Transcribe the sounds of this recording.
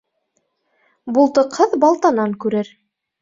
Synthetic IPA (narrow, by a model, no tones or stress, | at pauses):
bulˠt̪ɤ̆qhɤðbɑlˠt̪ɑnɑŋkʉɾɘɾ